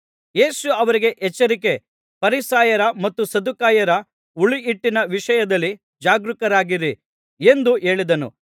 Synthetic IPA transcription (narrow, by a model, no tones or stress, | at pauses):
je̞ːsuɐʋɐɾiɡe̞ʔɛt͡ʃːɐɾike̞ | pɐɾisaːjɐɾɐmɐt̪ːusɐd̪ukaːjɐɾɐ | uɭiːʈːinɐʋiʃɐjɐd̪ɐlːi | d͡ʒaːɡɾukɐɾaːɡiɾi | e̞nd̪uʔe̞ːɭid̪ɐnṵ